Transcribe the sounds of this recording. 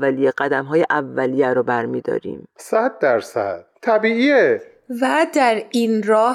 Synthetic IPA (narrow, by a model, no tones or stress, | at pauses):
ælijeɢæd̪æmɦɒːjeʔævːælijæɾɔːbæɾmiːd̪ɒ̰ːɾḭːmsæd̪ːæɾsæ̰d̪̥̚t̪ʰæbiːiːe | væd̪æɾiːnɾɒːh